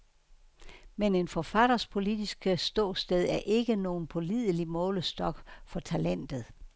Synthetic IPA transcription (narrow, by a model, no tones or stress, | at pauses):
mene̝nfɒ̽fæɾ̥ɐspʰo̝lid̥isɡ̥əsd̥ɔːsd̥eð̞ˠæɐʔe̝ɡ̥əno̝ːn̩pʰo̝lið̰ˠəlimɔ̽ːləsd̥ɒ̽ɡ̥fɒ̽t͡sʰælen̰d̥ð̩ˠ